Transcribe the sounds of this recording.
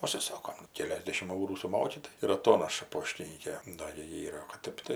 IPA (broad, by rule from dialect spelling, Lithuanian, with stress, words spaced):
ʊʃʲsʲɪˈsoːkoːm ˈkʲæːlʲɛzʲdʲɛʃʲɪmt ˈɐʊruː sʊˈmoːkʲɪ tɐɪ ɪr ɐˈtoːnɐʃɐ ˈpoːʃʲtʲɪnʲiːkʲeː ˈdɐ ɡʲɪ ˈiːrɐ oː kɐt ˈtʲɛp tɐɪ